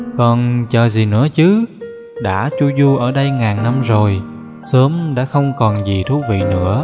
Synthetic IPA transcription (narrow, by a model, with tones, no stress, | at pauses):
kɔ˨˩nt͡ɕəː˨˩zi˨˩nɨ̰˧˥ət͡ɕɨ˨˦ | ɗa̰ː˧˥t͡ɕu˧zu˧ʔəː˧˩ɗə˧jŋaː˨˩nna˧mzo˨˩j | səː˨˦mɗa̰ː˧˥xə˧wŋ͡mkɔ˨˩nzi˨˩t̪ʰu˧˦vḭ˧˨nɨ̰˧˥ə